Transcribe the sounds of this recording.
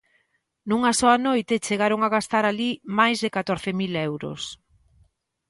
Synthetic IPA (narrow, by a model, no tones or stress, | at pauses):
nuŋasɔanojt̪et͡ʃeɣaɾoŋaɣast̪aɾalimajzðekat̪oɾθemilɛwɾo̰s